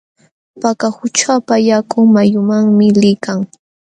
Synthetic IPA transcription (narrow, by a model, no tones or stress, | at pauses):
pakahʊt͡ʃapajakʊŋmajʊmaŋmɪlɪkaŋ